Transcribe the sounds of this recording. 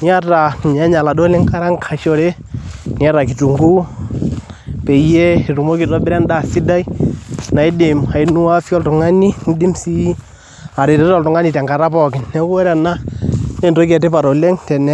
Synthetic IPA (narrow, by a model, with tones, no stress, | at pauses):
ni˦a˦ta˨ɲa˦ɲa˨la˨do˦lɛ˦ŋka˦ɾa˦ŋkʰa˨ʃo˨ɾe˦ | nɪ˦a˦ɾa˨k̬i˨tu˨ŋɡu˦ | pɛ˨jɛ˦i˨ru˨mo˦ki˨tɔ˦bɪ˦ɾɛ˦nda˨si˦da˦i˦na˨i˦dɪ˨ma˨i˦nu˦a˦fjɔ˦ltʊ˨ŋa˦ni˦n̩˦di˦msi˦ | a˨ɾe˨tɛ˦tɔ˦˨ltʊ˨ŋa˦ni˨tɛ˨ŋɡa˨ɾa˦pɔ˨kɪ˨nɛ˦wo˦ɾa˨na˦ne˦nto˦k̬ɛ˨te˦pa˨ɾo˨le˦ŋtɛ˨nɛ˦